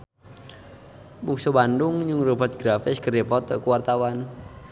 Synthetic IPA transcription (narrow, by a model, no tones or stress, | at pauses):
buksubandʊŋd͡ʒuŋrubat̪̚ɡɾafɪskəripɔt̪kuwart̪awan